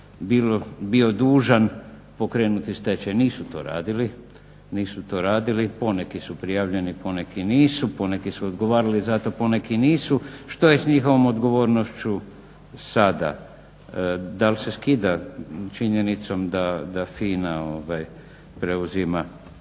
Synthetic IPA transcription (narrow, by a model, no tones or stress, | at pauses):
bilobio̞d̪uːʒan | po̞kɾe̞ːnut̪ist̪et͡ɕeniːsut̪o̞ːɾa̰ːd̪ili | niːsut̪o̞ːɾaːd̪ilipo̞nekisupɾijaːʋʎe̞niponekʰiniːsuponekisuod̪ɡo̞ʋaːɾalizat̪o̞ponekiniːsuʃt̪o̞jesɲixo̞ʋo̞mo̞d̪ɡo̞ʋo̞ːɾnoʃt͡ɕu | sad̪a̰ | d̪alse̞skid̪at͡ʃiɲe̞nit̪so̞md̪ad̪afiːnaoʋaj | pɾeuzima